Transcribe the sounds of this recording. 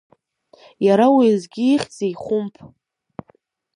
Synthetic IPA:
jaɾawizɡʲiːχʲt͡sejχʷʊmpʰʼ

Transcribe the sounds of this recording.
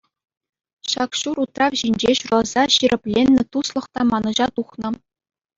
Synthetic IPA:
ɕɑkɕurut̪rɑʋʑinʲd͡ʑeɕurɑlˠz̥ɑɕirʲɘ̆pʲlʲenʲːɘ̆t̪uslˠɤ̆χt̪ɑmɑnɤ̆ʑɑt̪uχnɤ̆

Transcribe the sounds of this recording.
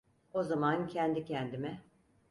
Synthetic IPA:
ozamancʰɛnd̪icʰɛnd̪imɛ

